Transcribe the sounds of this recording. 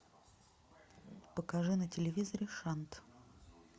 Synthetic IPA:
pəkɐʐɨnətʲɪlʲɪvʲizəɾʲɪʂant̪

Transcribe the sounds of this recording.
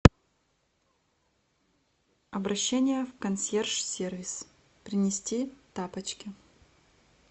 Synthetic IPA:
ɐbɾɐɕːenʲɪjəfkɐnsʲerʂsʲervʲɪs | pɾʲɪnʲɪsʲtʲit̪apət͡ɕkʲɪ

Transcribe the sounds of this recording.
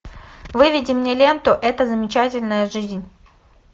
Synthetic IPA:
vɨvʲɪdʲɪmnʲelʲe̞nt̪ʊʔɛt̪əzəmʲɪt͡ɕætʲɪlʲnəjəʐɨzʲnʲ

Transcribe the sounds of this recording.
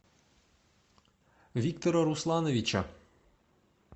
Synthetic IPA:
ʋʲikt̪ɔɾɐɾuslˠɑnɔʋʲit͡ʃɐ

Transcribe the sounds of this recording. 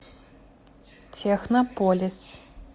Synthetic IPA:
tʰexnopʰolʲɪs

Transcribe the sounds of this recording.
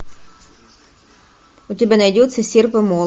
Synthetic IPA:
ʊt̪ʲɔbʲɛnɐjdʲut̪ʲsɛsʲirpɪmɔ

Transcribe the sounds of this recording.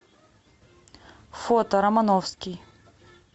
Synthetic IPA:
fot̪ɐɾɐmanɔfskʲi

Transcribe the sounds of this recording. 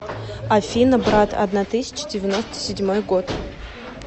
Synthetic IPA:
ɐfʲinəbɾat̪ʰɐ̰d̪nat̪ɨsʲɪ̥t͡ɕɪ̥dʲɪvʲɪno̞st̪ə̥sʲɪdʲmo̞jɡo̞t̪

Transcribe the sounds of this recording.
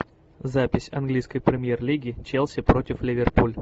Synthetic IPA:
zapʲɪsʲɐ̰nɡlʲijskəjpɾʲɪmʲjerlʲiɡʲɪt͡ɕelˠsʲɪpɾo̞tʲɪflʲɪvʲɪrpulʲ

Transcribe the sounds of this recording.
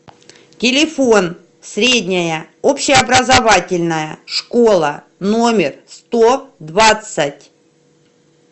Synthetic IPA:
tʲɪlʲɪfo̞n | sʲɾʲedʲnʲɪjəopɕɪɐbɾəzɐvatʲɪlʲnəjəʂkolˠə | no̞mʲɪrst̪od̪vat̪sətʲ

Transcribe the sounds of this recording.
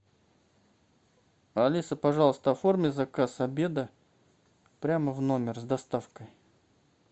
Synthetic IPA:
ɐlʲisəpɐʐɑlˠəst̪əɐformʲɪzɐkasɐbʲe̞d̪ə | pɾʲaməvno̞mʲɪrzd̪ɐst̪afkəj

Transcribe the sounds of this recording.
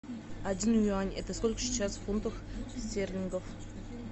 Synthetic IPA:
adʲinjanʲɛt̪əskolʲkə̥sʲi̥t͡ɕasfunt̪əxsʲt̪ʲerʲlʲɪŋɡəf

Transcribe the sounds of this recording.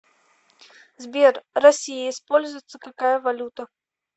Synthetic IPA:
zbʲerrɐsʲijɪːspolʲzʊjɪt̪səkakajəvalʲut̪ə

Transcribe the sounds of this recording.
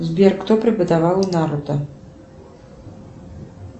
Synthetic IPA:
zbʲerkt̪opɾʲɪpəd̪avalˠunaɾʊd̪ɐ

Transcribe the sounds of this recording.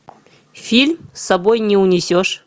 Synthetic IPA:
fʲilʲmsɐbojnʲɪʊnʲɪsʲoʂ

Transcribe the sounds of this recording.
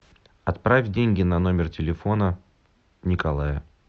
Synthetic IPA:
ɐt̪pɾafʲdʲenʲɡʲɪnɐno̞mʲɪrtʲɪlʲɪfo̞nə | nʲɪkɐlˠajə

